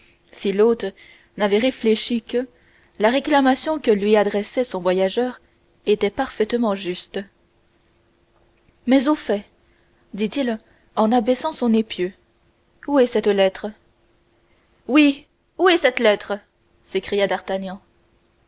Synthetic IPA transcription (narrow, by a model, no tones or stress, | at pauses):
silot̪ | navɛʁefleʃikə | laʁeklamasjɔ̃kəlɥiad̪ʁɛsɛsɔ̃vwajaʒœːʁ | et̪ɛpaʁfɛt̪mɑ̃ʒyst̪ | mɛzofɛ | d̪it̪il | ɑ̃nabɛsɑ̃sɔ̃nepjø | uɛsɛt̪lɛt̪χ | wi | uɛsɛt̪lɛt̪χə | sekχijad̪aʁt̪anjɑ̃